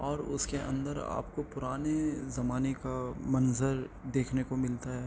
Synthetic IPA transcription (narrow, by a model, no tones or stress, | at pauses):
ɔːɾʊ̰skeʔɐ̰̃nd̪əɾa̰ːp̚kopʊɾaːnezɐmaːnekamɐnzəɾd̪eːkʰnekomɪlt̪aɦɛː